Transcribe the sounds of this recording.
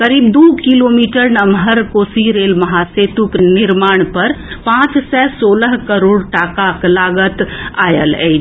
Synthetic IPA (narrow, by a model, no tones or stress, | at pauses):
kəɾiːbd̪ukilomiʈəɾnəmɦəɾkosiɾelməɦaset̪ukniɾmaːɳ̃pəɾpãt͡ʃsɛsoləɦkəɾoːɽʈakaklaɡət̪ajə̰lɛ̰ɪt͡ʃʰ